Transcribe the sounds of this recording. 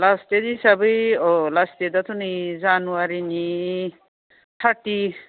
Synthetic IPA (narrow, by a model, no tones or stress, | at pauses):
last̪ed̪isɐbəjolast̪ed̪at̪ʰunɨjd͡zanuwaɾini | tʰaʈːi